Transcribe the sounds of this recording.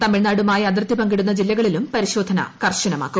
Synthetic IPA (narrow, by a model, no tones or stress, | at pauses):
t̪ɐmːiɻnaːɽumaːjɐd̪̬rɐt̪ːipɐŋɡiɽunːɐd͡ʑilːɐɣɐɭilumpɐɾiɕo̞ːd̪ʱɐnɐ̰kɐrɕɐnɐma̰ːkːum